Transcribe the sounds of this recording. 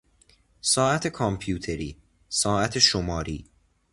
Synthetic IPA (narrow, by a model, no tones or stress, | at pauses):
sɒːæt̪ʰe̞kʰɒmpʰjuːt̪ʰeɾiː | sɒːæt̪ʰeʃomɒːɾiː